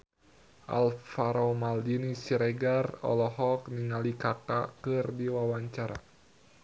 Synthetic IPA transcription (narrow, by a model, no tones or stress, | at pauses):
ʔa̰lfaɾomaldinisiɾɛɡarɔ̰lɔɦɔkniŋalikaka̰kɨrdiwawaɲt͡ʃaɾa̰